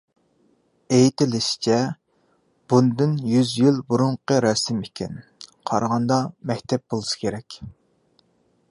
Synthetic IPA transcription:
ejit̪ɪlɪʃɪ̥t͡ʃʰɛ | b̥und̪ɨnjyzjylbuɾuɴqəɾɑsɪmekʲʰɛnqʰɑ̰ɾʁɑnd̪ɑmɛkʲt̪ʰɛp̚bolˠusɨ̥kʲʰeɾɛkʲ

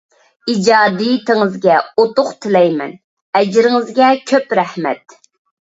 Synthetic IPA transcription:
id͡ʒɑːd̪ijt̪ʰɪŋɪzɡʲɛot̪ʊqt̪ʰɪlɛjmɛ̰n | ɛd͡ʒɾɪŋɪzɡʲɛkʲʰøpɾɛhmɛ̰t̪̚

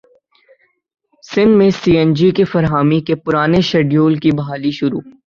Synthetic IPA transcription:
sɪ̃nd̪mẽsiːɛ̃nd͡ʒikefɐɾɦaːmikepʊɾaːneʃɐɖjoːlkibɐɦaːliʃʊɾṵː

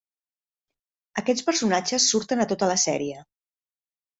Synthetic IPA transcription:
əkɛt͡sspəɾsunad͡ʒəsːuɾt̪ənət̪ot̪ələsɛ̰ɾiə

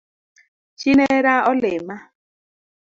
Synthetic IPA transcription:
t͡ʃineɾaɔlema

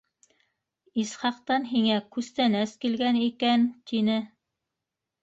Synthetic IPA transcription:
isχɑqt̪ɑnɦiŋækʉst̪ænæskilɡænikænt̪inɘ

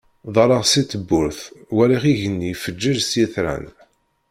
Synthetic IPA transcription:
ðˤɑɾˤɑʁsit̪ːəbːʊɾθwæɾiχiʝənːifəd͡ʒːəʒsjiθɾæ̰n

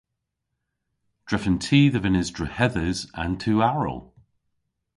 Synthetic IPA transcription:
d̥ɹɪfə̃ntʰiːðəvɪnɪzdɹəhɛðəzə̃ntʰʉːaɹə̰lˠ

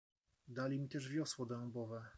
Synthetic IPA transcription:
d̪alʲimʲit̪ɛʐvʲjɔswɔd̪ɛ̃bɔvɛ

